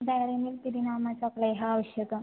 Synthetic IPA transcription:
d̪ajɾanilp̪iɾinamat͡saklajɦaːʋəɕjəka

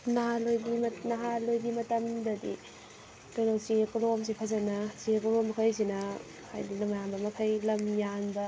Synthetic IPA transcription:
naɦalojdimnɐɦalojdimɐtɐmdɐdḭ | kajnawsiekuɾoms̬ipʰɐzɐnɐsiekuɾomɐkʰajs̬inɐ | ha̰jdinɐmajambɐmɐkʰajlɐmjanbɐ

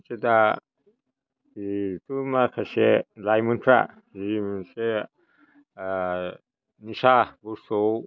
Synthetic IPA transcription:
seda | itumakʰaselajmunt̪ʰɾa̰ | zimunse | nisabusow

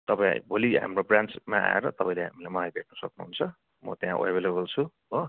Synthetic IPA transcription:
t̪ʌpãḭbʱoliɦa̰mrobransmaa̰ḛɾʌt̪ʌpãĩleɦamilajmʌlajbʱeʈ̚nʌsʌknuɦunt͡sʰʌ | mʌ̰t̪jãʔebelebʌlt͡sʰu | o

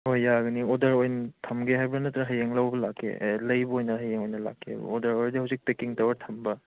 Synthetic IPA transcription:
hojːaɡɯniɔdaɾojntʰamɡeɦajbɾanɯtɾaɦajeŋlawbɐlakʰːḛlɐjbuojnɐɦajeŋojnɐla̰kʰːḛbṵɔdaɾojɾdihawsik̚tekiŋtawɐɾtʰambɐ

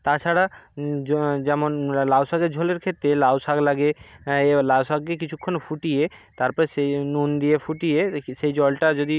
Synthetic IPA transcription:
t̪at͡ɕʰaɽa | d͡ʑɛmonlawsaɡeɾd͡ʑʱoleɾkʰet̪ːɾelawsaklaɡe | lawsakkek̬it͡ɕʰukʰːonfuʈijet̪aɾpɔɾesenund̪ijefuʈieʃejd͡ʑɔlʈad͡ʑod̪i

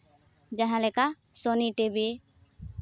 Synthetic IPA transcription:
d͡ʒɛɦɛ̃lɛka | sɔniʈebi

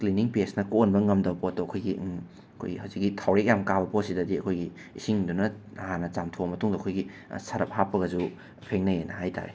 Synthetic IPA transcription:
kliniŋpesnɐkonbɐŋɐmdɐwpotːoɐkʰojɡiʔ | ɐkʰo̰jihɐwzik̚ɡitʰawɾek̚jamkabɐpotsidɐdiɐkʰojɡi | isiŋdunɐ | ɐhanɐt͡ʃamtʰobɐmɐtuŋdɐɐkʰojɡisɐɾɐp̚hapːɐɡɐzu | pʰeŋnɐjenɐhajta̰ɾḛ

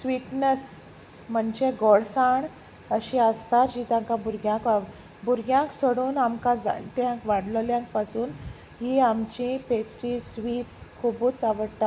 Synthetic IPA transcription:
sʋiʈnəs | m̤əɳd͡ʑeɡɔɽsaɳ | əɕĩəst̪aɾd͡ʑit̪ãŋkãbuɾɡjãka | buɾɡjãŋksoɽuːnamkãd͡za̰ʈ̪jãŋkʋaɽləljãŋk̚pasuːn | ɦiamt͡ɕĩpesʈisʋiːt̪skʰubuːt͡saʋəɽt̪a

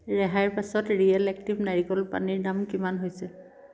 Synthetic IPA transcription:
ɹɛɦaɹpasɔtɹiɛlɛk̚tibnaɹikɔlpa̰niɹdamkimanɦojsɛ

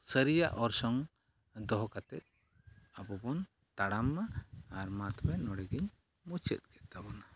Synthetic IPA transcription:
səɾija̰ʔɔɾsɔŋ | d̪ɔɦkat̪ɛt̪̚ˀ | abɔbɔn | t̪aɽamːaːɾmat̪bɛnɔɽɛɡiɲ | mut͡ʃʰɛ̰t̪̚ɡɛt̪t̪abɔna

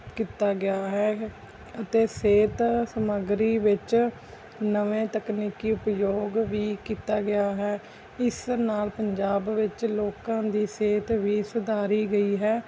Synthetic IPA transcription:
kiːt̪aːɡɪaːɦɛː | ət̪eːseːt̪səməɡɾiːʋɪt͡ʃ | nəʋẽːt̪əkniːkiːʊpjoːɡʋiːkiːt̪aːɡɪaːɦɛː | ɪsnaːlpəɲd͡ʒaːbʋɪt͡ʃloːkãːd̪iːseːt̪ʋiːsʊd̪aːɾiːɡəiːɦɛː

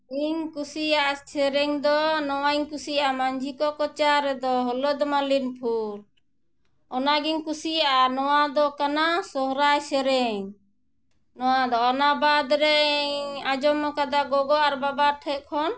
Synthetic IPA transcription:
iŋkusijaʔasɛɾɛŋd̪ɔnɔwaiɲkusijaʔamaɲd͡ʒʱikɔkɔt͡ʃaɾɛd̪ɔɦɔlɔd̪malinpʰuɾ | ɔnaɡiŋkusijaʔanɔwad̪ɔkanasɔɦɾajsɛɾɛŋ | nɔwad̪ɔɔnabad̪ɾɛ | ad͡ʒɔmːɔkad̪aɡɔɡɔʔaɾbabaɾʈʰɛt̪̚kʰɔn

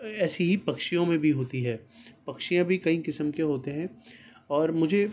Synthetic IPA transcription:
ɛːsiɦipɐkʃijõmẽbʱiɦoːt̪iɦɛːpɐkʃijãbʱikɐĩkɪsəmkeɦoːt̪eɦɛ̃ɔːɾmʊd͡ʒʱe

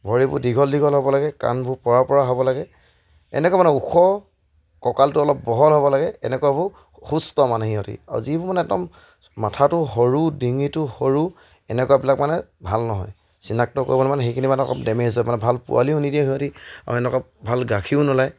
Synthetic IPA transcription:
bʱɔɹibʊ̰diɡʱɔldiɡʱɔlɦɔbɔlaɡɛka̰nbʱupɔɹaɹpɔɹaɦɔbɔlaɡɛ | ɛ̰nɛkwamanɛukʰɔ | kɔkaltʊɔlɔp̚bɔɦɔlɦɔbɔlaɡɛɛ̰nɛkuabʊ | xustɔmanɛɦiɦɔtḭa̰ɹ̰zibʊmanɛɛtɔ̰m | matʰatʊɦoɹudiŋitʊhoɹu | ɛnɛkuwabilakmanɛbʱalnɔɦɔ̰j | sinak̚tɔko̰ɹibɔlɛmanɛxejkʰinimanɛɔ̰kɔpdɛmezamanɛbʱalpṵa̰liɦunidijaɦiɦɔtia̰ɹɛnɛkabʱalɡakʰiʊnɔlaj

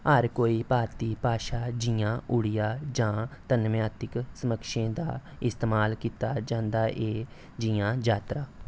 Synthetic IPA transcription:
ɦəɾkoːiːpaːɾt̪iːpaːʃaːd͡ʒijãːʔʊɽɪjaːd͡ʒãːt̪ənmjaːt̪ɪksəməkʃẽːd̪a̰ːɪst̪eːmaːlkiːt̪aːd͡ʒãːnd̪aːʔeː | d͡ʒɪjãːd͡ʒaːt̪ɾaː

